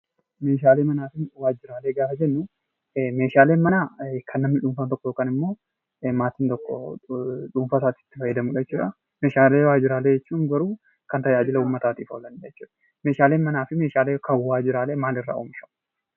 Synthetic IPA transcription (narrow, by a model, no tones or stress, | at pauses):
meːʃ̬aːleːmɐnaːfɪnwaːd͡ʒɪɾaːleːɡaːfɐd͡ʒɛnːʊ | meːʃaːle̞ːnmɐnaːkʰɐnːɐmːɪᶑuːɱfɐnt̪ɔkːɔjoːkaːnɪmːo̞ː | maːt̪iːnt̪ɔkːɔ̰ | ᶑuːɱfɐsaːt̪ːt̪ːɪfɐjːɐd̪ɐmʊᶑɐɛt͡ʃːuːᶑɐ | me̞ːʃaːleːwaːd͡ʒɪɾaːleːd͡ʒɛt͡ʃːuːŋɡɐɾuː | kɐnt̪ɐjaːd͡ʒɪlɐuːmːɐt̪aːt̪iːfoːlɐnːd͡ʒɛt͡ʃːuːᶑɐ̥ | meːʃaːle̞ːnmɐnaːfɪme̞ːʃaːleːkʰɐwːaːd͡ʒɪɾaːle̞ːmaːlɪrːa̰ːʔṵːmɪʃɐ̥